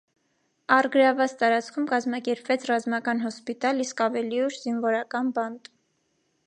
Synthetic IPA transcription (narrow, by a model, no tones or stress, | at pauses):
ɑrɡəɾɑvɑt͡st̪ɑɾɑt͡sʰkʰumkɑzmɑkɛɾpvɛt͡sʰrɑzmɑkɑnɦɔspit̪ɑliskɑvɛliuʃz̥invɔɾɑkɑnbɑnt̪